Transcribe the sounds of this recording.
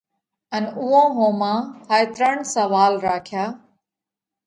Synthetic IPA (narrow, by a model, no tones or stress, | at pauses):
ənʊɦõːɦõːmãːhaet̪ɾəɳsəʋaːlɾaːkʰɪjaː